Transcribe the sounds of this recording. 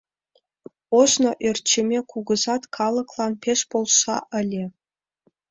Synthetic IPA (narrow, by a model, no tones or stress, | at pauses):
oʃnoʔert͡ɕʰemʲekuɡə̆zɑt̪kʰɑlˠɤ̆klˠɑnpʲʰeʃpolˠʃɑ̰ʔəlʲe